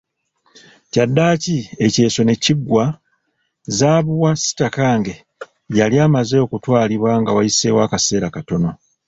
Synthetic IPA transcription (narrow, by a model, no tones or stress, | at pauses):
cadːaːcie̞ce̞ːso̞ne̞ciɡwa | zaːβuwasi̥takaːŋɡe̞ | jaliaːmaze̞o̞kutwaːliβwaŋɡawajise̞ːwaːkase̞ːɾakato̞no̞